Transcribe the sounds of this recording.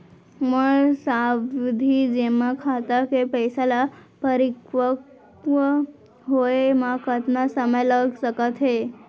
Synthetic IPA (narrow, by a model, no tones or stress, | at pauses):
məɭsaʋid̪ʱid͡ʑemakʰat̪akepəjsalapəɾikʋək | ʋə | ɦoemakət̪nasəməjləɡʱsəkət̪ɦe